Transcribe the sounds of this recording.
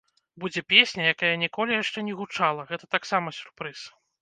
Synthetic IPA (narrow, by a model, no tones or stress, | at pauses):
bud͡zʲɛpʲesʲnʲɐjakajɐnʲikɔlʲijaʂt͡ʂɛnʲɛɣut͡ʂalˠɐɣɛt̪ɐt̪aksamɐsʲu̥rpɾɨs